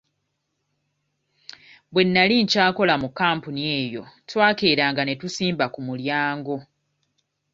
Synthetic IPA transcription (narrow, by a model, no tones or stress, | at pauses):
bwe̞nːaliɲcaːko̞lamukːaːmpunie̞ːjo̞twaːkeːɾaːŋɡane̞tusiːmbakumuljaːŋɡo̞